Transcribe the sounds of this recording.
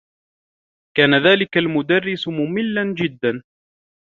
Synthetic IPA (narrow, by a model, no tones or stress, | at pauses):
kaːnaðaːlɪkalmʊd̪arːɪsmʊmɪlːand͡ʒɪd̪ːan